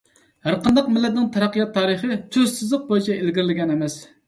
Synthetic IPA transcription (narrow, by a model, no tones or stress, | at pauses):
hæɾqɑnd̪ɑqmɪlːɛt̪nɪŋt̪ʰɑɾɑqːjɑt̪ʰːɑːɾəχɨt̪ʰøzsɪzlˠəq̚bojit͡ʃʰɛelɡʲiɾɪlɪɡʲɛnɛmɛs